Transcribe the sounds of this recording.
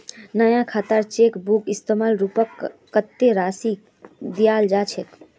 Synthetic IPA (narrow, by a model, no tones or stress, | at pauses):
nəjãkʰaːt̪əɾt͡ʃekbukist̪əmalɾupəkː | ət̪ːeɾaːsi | d̪ijald͡ʒat͡ʃʰet̪